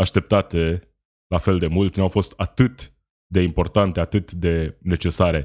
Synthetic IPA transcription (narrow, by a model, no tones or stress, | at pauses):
aʃt̪e̞p̚t̪at̪e̞ | lafe̞ld̪e̞mult̪nawfo̞st̪at̪ɨt̪ | d̪e̞impo̞rt̪ant̪e̞at̪ɨt̪d̪e̞ne̞t͡ʃe̞saɾe̞